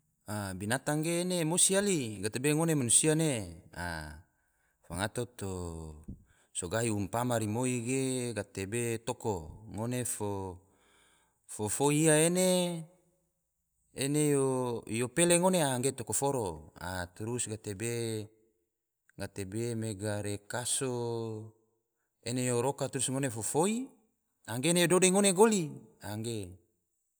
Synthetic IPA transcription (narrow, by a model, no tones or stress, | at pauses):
abinat̪aŋɡeːnemosialiɡat̪ebeŋonemanusianea̰ | faŋat̪ot̪o | soɡaiumpamaɾimoiɡeɡat̪ebet̪okoŋonefo | fofoiaene | nejojopeleŋoneaŋɡet̪okofoɾoa̰t̪uɾusɡat̪ebe | ŋat̪ebemeɡaɾekaso | enejoɾokat̪uɾusŋonefofoi | aŋɡeːnejododeŋoneɡoliaŋɡe